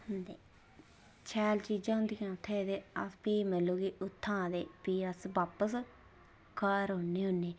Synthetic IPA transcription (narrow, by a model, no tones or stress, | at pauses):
hʊnd̪ḛː | t͡ʃʰɛːlt͡ʃiːd͡ʒãːɦʊ̃nd̪ijãːʊt̪ʰːeːd̪eːəspiːməlːoːɡiːʊt̪ʰːãːd̪eːpiːəsʋaːpəs | kaːɾɦonːiːɦʊnːeː